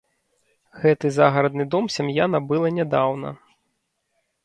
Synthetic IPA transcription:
ɣɛt̪ɨzaɣɐɾɐd̪nɨd̪ɔmsʲamjanɐbɨlˠɐnʲɛd̪awnɐ̰

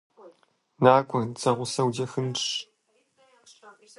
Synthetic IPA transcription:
naːkʷɔnt͡sɐʁʷʊsɐwdɐxɨnʂ

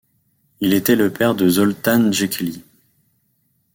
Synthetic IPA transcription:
ilet̪ɛləpɛʁd̪əzɔlt̪anʒɛkʲli

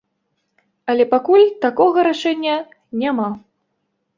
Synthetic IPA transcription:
ɐlʲɛpakulʲt̪akɔɣɐɾaʂɛnʲːɐ | nʲama

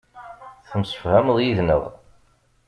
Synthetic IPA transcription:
θəmsə̥fhæmðˤjiðnə̰ðˤ

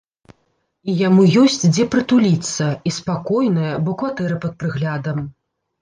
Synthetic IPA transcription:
ijamujɔsʲt͡sʲd͡zʲɛpɾɐt̪ulʲit̪sːɐispakɔjnɐjɐbɔkvat̪ɛɾɨpɐt̪̚pɾɨɣlʲad̪ɐm

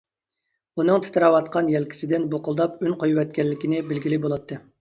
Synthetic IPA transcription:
unɨŋt̪ʰɨ̥t̪ʰɨɾɑwɑt̪qʰɑnjɛlkʲʰi̥sɪd̪ɪnboqʊlˠd̪ɑpynqʰojwɛt̪̚kʲɛlːɪkʲinɪbɪlɡʲilɪbolˠɑt̪ʰːɨ

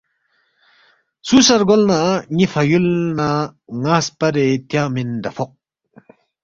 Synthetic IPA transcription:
susaɾɡɔlnaɲifʰɐjulnaŋaːspɐɾet̪jamind̪ɐfʰɔq̚

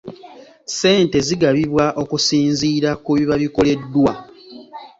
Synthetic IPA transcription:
se̞ːnte̞ziɡaβiβwaʔo̞kusiːnziːɾakuβiβaβiko̞le̞dːwa

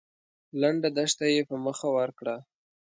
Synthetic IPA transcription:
laɳɖad̪aʃt̪ajepəməxawaɾkɽa

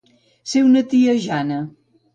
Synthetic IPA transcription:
sewnət̪iəʒanə

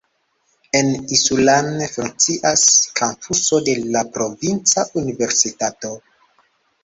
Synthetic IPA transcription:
e̞nisulanfuŋk̚t͡siʔaskʰampʰuso̞de̞lapɾo̞vint͡saʔunive̞ɾsitato̞

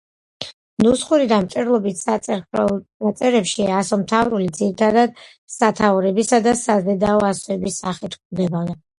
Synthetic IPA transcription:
nusχuɾid̪amt͡ʃ̪ʼɛɾlˠɔbit̪ʰsa | at̪sʼɛɾɛpʃiasɔmt̪ʰavɾulid̪ziɾit̪ʰad̪ad̪ | sat̪ʰauɾɛbisad̪asazɛd̪aɔasɔɛbisːaχit̪ʰkʰmd̪ɛbavɛ

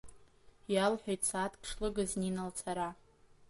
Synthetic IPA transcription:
jalħʷᶣajtsaːtʰkʰʂlɨɡazninalt͡sʰaɾa

